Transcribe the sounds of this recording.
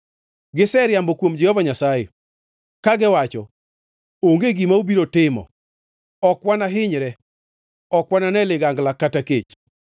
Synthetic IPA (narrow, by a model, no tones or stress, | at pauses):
ɡɪsɛɾjambɔkwomd͡ʒɛhɔvaɲasaje | kaɡɪwat͡ʃɔ̰ | oŋɡeɡimaubiɾotɪmɔ̰ | ɔkwanaɦɪɲɾɛ | ɔkwananɛlɪɡaŋɡlakataket͡ʃ